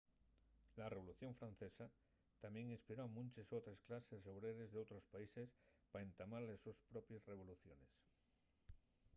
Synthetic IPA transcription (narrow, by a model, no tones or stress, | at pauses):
lareβ̞oluθjo̞ɱfɾanθesa | t̪amje̞ŋĩnspiɾoamũnt͡ʃesot̪ɾesklaseso̞βɾeɾezðeot̪ɾospaisespaent̪amaɾlesuspɾopjesre̞β̞o̞luθjo̞ne̞s